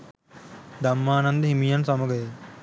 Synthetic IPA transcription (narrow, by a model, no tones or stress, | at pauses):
d̪ɐmːaːnɐnd̪ɐɦimijɐnsɐmuɡɐe